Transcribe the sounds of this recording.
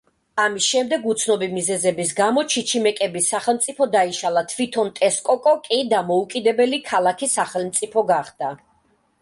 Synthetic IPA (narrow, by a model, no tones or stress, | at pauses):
amisʃɛmd̪ɛɡut̪sʰnɔbimizɛzɛbis̬ɡamɔt͡ʃʰit͡ʃʰimɛkʼɛbisaχɛlˠmt̪sʼipʰɔd̪aiʃalˠat̪ʰvit̪ʰɔnt̪ʼɛskʼɔkʼɔkʼid̪amɔukʼid̪ɛbɛlikʰalˠakʰisaχɛlˠmt̪sʼipʰɔɡaχd̪̥a